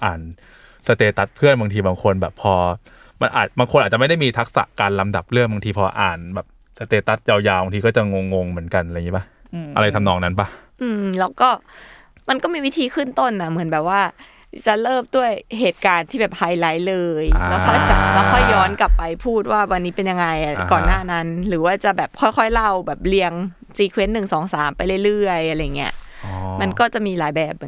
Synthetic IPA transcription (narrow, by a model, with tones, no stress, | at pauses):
ʔaː˨˩n | sa˧t̪eː˧t̪a˦˥t̪̚pʰɯ˥˩ənba˧ŋt̪ʰiː˧baː˧ŋkʰo˧nbɛː˨˩pʰːɔː˧ | ma˧nʔa̰ː˨˩t̪̚baː˧ŋkʰo˧nʔa˨˩t͡ɕa˨ma˥˩jda˥˩jmiː˧t̪ʰa˦˥k̚sa̰˨˩ʔkaː˧nla˧mda˨˩p̚lɯ˥˩ba˧ŋt̪ʰiː˧pʰɔː˧ʔa̰ː˨˩nbɛː˨˩p̚ | sa˧t̪eː˧t̪a˦˥t̪̚jaː˧wjaː˧wbaː˧t̪ʰiː˧kɔː˥˩t͡ɕa˨˩ŋo˧ŋːo˧ŋmɯ˩˦ənka˧nʔŋi˦˥ba˦˥h | ʔa˧ɾa˧jt̪ʰa˧mnɔː˧ŋna˦˥nba˦˥˩ʔɯː˧mlɛː˦˥wkɔː˥˩ | ma˧nkɔː˥˩miː˧wi˦˥t̪ʰiː˧kʰɯ˥˩nt̪o˥˩nːa˦˥mɯ˩˦ənbɛː˨˩p̚waː˥˩ | t͡ɕa˨˩lɤː˥˩p̚du˥˩əjɦeː˨˩t̪̚kaː˧nt̪ʰiː˥˩bɛː˨˩p̚ha˧jla˦˥jlɤː˧jlɛː˦˥wkʰɔ˥˩jt͡ɕa˨˩˨ma˧˩kʰɔ˥˩jːɔː˦˥nka˨˩pːa˧jpʰuː˥˩t̪̚waː˥˩wa˧nːiː˦˥pe˧nja˧ŋːa˧jʔa˨˩kɔː˨˩nːaː˥˩na˦˥nlɯː˩˦waː˥˩t͡ɕa˨˩ʔbɛː˨˩p̚kʰɔ˥˩jkʰɔ˥˩jla˥˩wbɛː˨˩p̚li˧əŋ | siː˧kʰwe˦˥nːɯ˨˩ŋsɔː˩˦ŋsaː˩˦mpa˧jlɤ˥˩jlɯ˥˩əjʔa˧ɾa˧jːa˨˩ŋːi˦˥ɐ˧ʔma˧nkɔː˥˩t͡ɕa˨˩ʔmiː˧laː˩˦jbɛː˨˩p̚